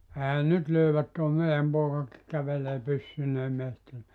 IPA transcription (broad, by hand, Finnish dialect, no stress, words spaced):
ehæn nyt løyʋæt toˑe meiæm poːkɑki kæʋeleː pysːyneː mehtiæ